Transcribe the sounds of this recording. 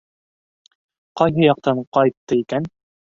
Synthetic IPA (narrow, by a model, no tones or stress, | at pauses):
qɑjɦɤjɑq̚t̪ɑɴqɑjt̪ːɤikæn